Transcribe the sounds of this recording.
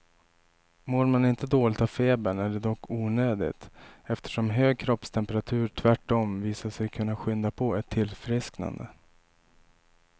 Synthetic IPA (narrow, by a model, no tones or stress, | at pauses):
moːɾmanɪnt̪əd̪oːlɪt̪avfeːbəɳæɖɛd̪ɔkːuːnøːd̪ɪ̰t̪ɛft̪ʰə̥ʂɔmɦøːɡ̚kʰɾɔpst̪ʰɛmpəɾat̪ʰʉ̟ːɾʈʰvæʈːɔmviːsaʂɛjkʰɵnːaɧʏnd̪apʰɔɛt̪ʰːɪlfɾɪskna̰nd̪ə̰